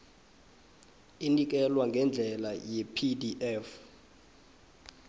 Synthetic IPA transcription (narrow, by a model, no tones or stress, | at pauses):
inik̬ɛlwaŋɡʱɛnd͡ɮʱɛlajɛpʰidiʔɛf